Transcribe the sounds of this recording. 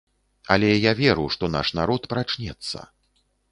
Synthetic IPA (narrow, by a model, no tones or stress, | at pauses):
a̰lʲɛjavʲɛɾuʂt̪ɔna̰ʂnaɾɔt̪pɾat͡ʂnʲɛt̪sːɐ̰